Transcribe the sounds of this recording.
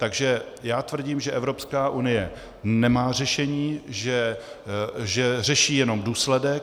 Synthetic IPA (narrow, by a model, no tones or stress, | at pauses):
t̪aɡʒɛjaːt̪vr̩ɟiːmʒɛʔɛvɾo̞pskaːʔunɪjɛ | nɛmaːr̝ɛʃɛɲiːʒɛ | ʒɛr̝ɛʃiːjɛno̞mduːslɛdɛk̚